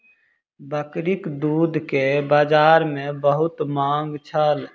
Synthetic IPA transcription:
bəkɾɪkd̪uːd̪ʱkebaːd͡ʒaːɾmẽbəɦʊt̪mãːŋɡt͡ʃʰəl

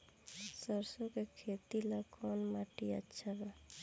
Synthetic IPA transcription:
səɾsokekʰet̪ilakɔnmaʈiə̰tːʃʰaba

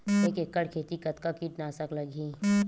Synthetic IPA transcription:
eːkekːəɽkʰeːt̪ikɐt̪kakiːʈnaːsəklɐɡʱi

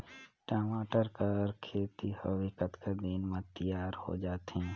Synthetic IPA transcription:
ʈaːmaːʈəɾkəɾkʰeːt̪ihəʋɪkət̪kad̪iːnmẽt̪əjaːɾho̰d͡ʒaːt̪ɦɛ̃ː

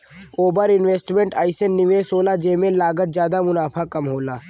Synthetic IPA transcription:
oːbəɾɪnʋeːsʈmẽɳʈaːɪsənːɪʋeːsoːlad͡ʒeːmẽlaːɡət̪̚zjaːd̪amʊnaːpʰakɐmɦoːlaː

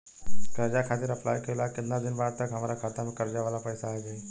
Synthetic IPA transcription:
kəɾd͡ʒakʰaːt̪ɪɾəpla̰ːjkelakɪt̪nad̪ɪnbaːɾ̚t̪əkɦɐmaːɾakʰaːt̪amẽkəɾd͡ʒaʋaːlapəjsaːd͡ʒaːe

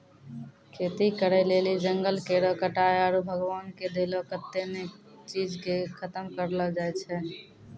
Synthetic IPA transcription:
kʰet̪ikəɾɛlelid͡ʒəŋɡəlkeɾɔkəʈaeaɾubʱəɡwaːnked̪elɔkət̪ːene | t͡ʃid͡ʒkekʰət̪əmkəɾləd͡ʒaet͡ʃʰɛ

